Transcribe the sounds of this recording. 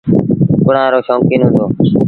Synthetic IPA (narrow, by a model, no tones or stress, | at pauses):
kʊɽ̤ãːɾoːʃõːŋkiːnɦʊ̃nd̪oː